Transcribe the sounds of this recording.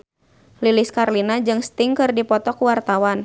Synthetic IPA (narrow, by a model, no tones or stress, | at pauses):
liliskarlinad͡ʒɨŋst̪ɪŋkɨrdipɔt̪ɔkuwart̪awan